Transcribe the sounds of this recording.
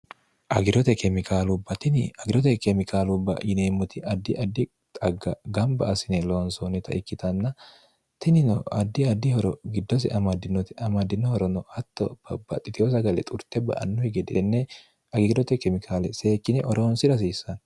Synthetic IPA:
ʔɐɡɪɾɔt̪ɛkɛmɪkaːlʊbːɐt̪ɪnɐɡɪɾɔt̪ɛkɛmɪkʰaːlʊbːɐ̰jɪneːmːʊt̪ɪʔɐd̪ːɪʔɐd̪ːɪ | t̪ʼɐɡːɐɡɐmbɐːsɪnɛloːnsonɛt̪ɐ̰ʔɪkːɪt̪ɐnːɐ | t̪ɪnɪnɔɐd̪ːɪɐd̪ːɪhɔɾɔɡɪd̪ːɔs̬ɪ̰ʔɐmɐd̪ɪnːɔt̪ɐmɐd̪ːɪnːɔhɔɾɔnɔhɐt̪ːɔb̥ɐbɐ̰t̪ʼɪt̪ɪjɔs̬ɐɡɐlɛ̰t̪ʼʊɾt̪ɛbɐ̰ʔɐ̰nːɔhɛɡɛd̪ɛnːɛ | ɐɡɪɡdɔt̪ɛkɛmɪkʰaːlɛse̞ːkʼːɪnɛʔɔɾoːnsɪɾɐs̬iːsːɐn

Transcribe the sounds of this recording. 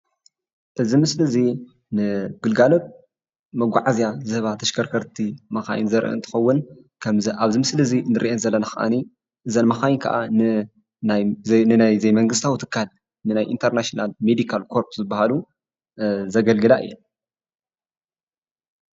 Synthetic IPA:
ʔɨzimɨslɨzi | nɨɡ̥ɨlɡalot̪̚ | mɐɡʷaʕazijazɨhβat̪ʰɐʃkʰɐɾkʰɐɾt̪ʰimɐxa̰jnzɐɾʔɨ̰nt̪ʰɨ̥xɐwːʊn | kʰɐmaβzimɨslɨzinɨɾʔiʔɛnzɐlːɐnaxɐ̰ʔa̰ni | ʔɨzɐnmɐxajnkʰɐ̰ʔanɨ | anɨnajzɐjmɐŋɡɨst̪ʰawit̪ʰɨ̥kʰːal | nɨnajʔḭnt̪ʰɐɾnaʃonalmed̪ikʰalkʰo̞ɾpzɨbːahalu | zɐɡɐlɡɨlaʔɨ̰jːɛl

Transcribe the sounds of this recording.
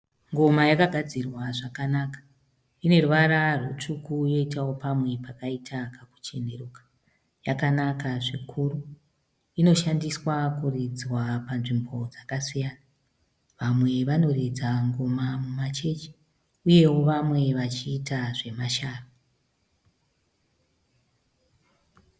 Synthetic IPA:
ŋɡo̞majakaɡʱad͡zirwaʐakanakḁ | ine̞ruʋaɾarut͡ʂukujo̞itawo̞pamwe̞pakaitʰakaku̥t͡ʃe̞ne̞ruːkḁ | jakanakaʐikʰuːru | ino̞ʃandiswakurid͡zwapanʐimbo̞d͡zakasijana | ʋamwe̞ʋano̞red͡zaŋɡomamumat͡ʃe̞t͡ʃi̥ | uje̞wo̞ʋamwe̞ʋat͡ʃiːtaʐe̞maʃaːro

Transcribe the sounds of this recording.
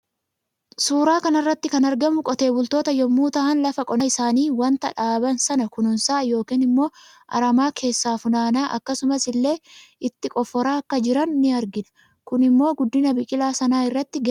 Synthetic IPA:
suːɾaːkɐnɐrːɐt̪ːɪkɐnɐɾɡɐmʊkʼɔt̪e̞ːbʊlt̪o̞ːt̪ɐjɔmːuːt̪ɐʔɐnlɐfɐkʼɔnɐɪsaːniːwɐnt̪ɐᶑaːbɐnsɐnɐkʊnʊnsaːjo̞ːkiːnɪmːo̞ː | ʔɐ̰ɾɐmaːkʰe̞ːsːaːfʊnaːnaːʔɐ̰kːɐsʊmɐsɪlːe̞ːɪt̪ːɪkʼɔfːɔɾaːɐkːɐd͡ʒɪɾɐnːɪɐɾɡɪnɐ̥ | kʊnɪmːo̞ːɡʊd̪ːɪnɐbɪkʼɪlaːsɐnaːɪrːɐt̪ːɪɡ

